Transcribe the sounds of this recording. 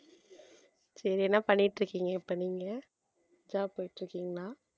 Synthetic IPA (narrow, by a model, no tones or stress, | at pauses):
sɐɾiɛnːapɐɳːɪʈːɾɯkːiːŋɡɐɪpːoːniːŋɡɐ | d͡ʒaːpoːjɪʈːɾɯkːiːŋɡɐlaː